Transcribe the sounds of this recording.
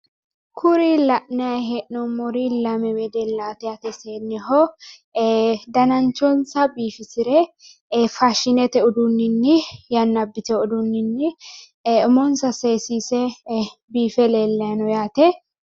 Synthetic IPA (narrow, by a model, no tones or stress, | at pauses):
kʰʊɾilɐʔnɪɐjɦɛʔnɔmɔɾilɐmɛwɛd̪ɛlaːt̪ɛjɐt̪ɛseːnːɪɦɔ | d̪ɐnɐnt͡ʃːɔnsɐbiːfɪsɪɾɛ | faʃɪnɛt̪ɛɔd̪ʊnːɪnːɪjɐnːɐbːɪt̪ɛɔd̪ʊnːɪnːɪ | ʊmɔnsɐseːsiːsɛbiːfɛleːlːɐnɔjaːt̪ɛ